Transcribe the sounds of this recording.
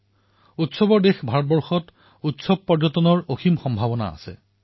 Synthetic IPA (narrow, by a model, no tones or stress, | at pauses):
utsɔbɔɹdexbʱaɹɔt̚bɔɹxɔt | utsɔb̚pɔɹd͡ʒɔtɔnɔɹoximxɔmbʱabɔna̰a̰sɛ̰